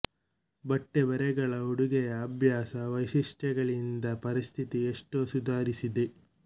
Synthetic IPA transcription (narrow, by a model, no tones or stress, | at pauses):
bɐʈːebɛɾɛɡɐɭɐuɽuɡɛjɐːbʱjaːsɐʋɐjʃiʂʈɛɡɐɭind̪ɐpɐɾist̪ʰit̪ieʂʈoːsud̪ʱaːɾisid̪e̞